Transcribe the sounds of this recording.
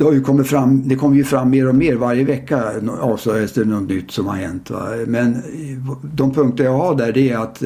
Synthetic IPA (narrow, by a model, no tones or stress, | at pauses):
d̪jkʰɔmːəfɾamːd̪ɛkʰɔmːəɾjɵfɾamːeːɾɔmeːɾvaɾjəvɛkːaɑːvsœjəst̪ɛnɔt̪nʏt̪ːsɔmha̰ɾɦɛ̰nt̪va̰mɛn | d̪ɔmpʰɵŋkt̪əɾjɑhɑd̪æɖɛæɾat̪